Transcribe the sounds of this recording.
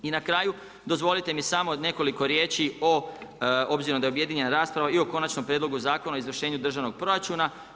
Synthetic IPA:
inakɾaːju | d̪o̞zʋo̞lit̪e̞misamod̪ne̞ko̞liko̞ɾje̞ːt͡ʃio | o̞bziɾod̪aeubje̞d̪iɲe̞naɾaːspɾaʋaio̞ko̞nat͡ʃnompɾjed̪lo̞ɡuzaːko̞naoizʋr̩ʃe̞ːɲud̪r̩ʒaʋno̞ɡ̚pɾo̞ɾat͡ʃuna

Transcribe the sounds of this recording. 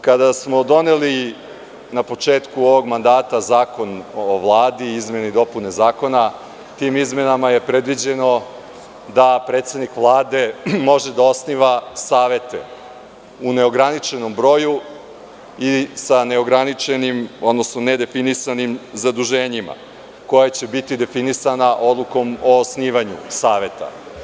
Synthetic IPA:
kad̪asmo̞d̪o̞ne̞li | napo̞t͡ʂeːt̪kuoʋo̞ɡmand̪aːt̪azaːko̞noʋlˠaːd̪iizme̞nid̪o̞pune̞zaːko̞na | t̪iːmizme̞namaje̞pɾe̞d̪ʋid͡ʑe̞no̞ | d̪apɾeːt̪sed̪nikʋlˠaːd̪e̞mo̞ʒed̪ao̞sniʋasaːʋe̞t̪ḛ | une̞o̞ɡɾanit͡ʃe̞no̞mbɾo̞ːju | isane̞oɡɾanit͡ʃenimo̞d̪no̞snone̞d̪e̞finisanimzad̪uʒe̞ːɲima̰ | ko̞jat͡ɕe̞bit̪id̪e̞finisanaʔo̞d̪lˠuko̞mosniːʋaɲṵsaːʋe̞t̪a̰

